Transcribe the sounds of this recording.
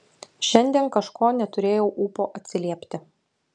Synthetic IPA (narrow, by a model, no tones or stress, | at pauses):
ʃʲɛnʲd̪ʲiɛnkɐʃkoːnʲɛt̪ʊɾʲeːjɛʊʔuːpoːʔɐt̪ʲsʲɪlʲiɛpʲt̪ʲɪ